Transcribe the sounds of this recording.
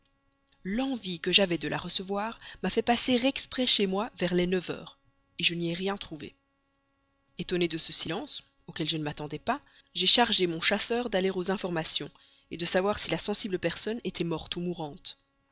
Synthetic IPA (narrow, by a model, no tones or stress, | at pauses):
lɑ̃vikəʒavɛd̪əlʔa̰ʁəsəvwaːʁmafɛpaseʁɛkspχɛʃemwavɛʁlɛnəvœ̰ːʁ | eʒəniɛʁjɛ̃t̪χuvḛ | et̪ɔned̪əsəsilɑ̃s | okʲɛlʒənəmat̪ɑ̃d̪ɛpa | ʒeʃaʁʒemɔ̃ʃasœːʁd̪aleʁozɛ̃fɔʁmasjɔ̃ | ed̪əsavwaʁsilasɑ̃sibləpɛʁsɔnet̪ʰɛmɔʁt̪umuʁɑ̃t̪